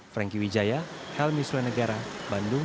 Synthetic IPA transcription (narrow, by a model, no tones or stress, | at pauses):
fɾɛŋkiwid͡ʒajahɛlmisuɛnəɡaɾabandʊ